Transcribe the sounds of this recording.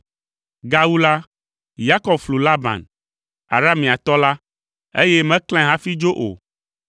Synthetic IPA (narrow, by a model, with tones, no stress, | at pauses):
ɡa˦wu˦la˦ | ja˦kɔ˨bflu˨la˦bã̰˨n | a̰˨ɾa˦mĩ˨a˨t̪ɔ˦la˦ | ḛ˦jɛ˦mɛ̃˦kl̃ɛ̃˦ɦã˦fi˦d͡ʒo˦ʔo̰˨